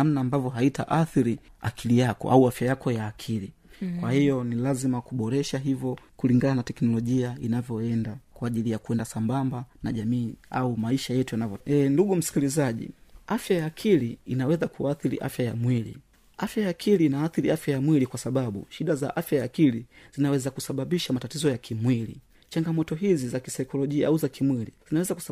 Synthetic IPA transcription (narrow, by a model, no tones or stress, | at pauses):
amnaːmbavjɔɦaitaʔaθiɾia̰kʰilijakɔ̰ʔa̰uafjajakɔjaːkʰili | kwahijɔnilazimakuɓɔɾɛʃaɦivjɔkuliŋɡananatɛknɔlɔʄiainavjɔɛndakwaːʄilijakuɛndasambambanaʄamiːa̰umaiʃajɛtujanavjɔɛnduɠum̩si̥kilizaʄḭafjajaːkʰiliːnawɛzakuaːθiɾḭʔa̰fjaja̰mwilḭ | afjajaːkʰiliːnaːθiɾiafjajamwilikwasaɓaɓṵʃiɗaza̰ʔafjajaːkiliz̥inawɛzakusaɓaɓiʃamatatizɔjakʰimwilḭ | t͡ʃaŋɡamɔtɔɦizizaki̥sajikɔlɔʄia̰ʔauzakimwilḭz̥inawɛzaku̥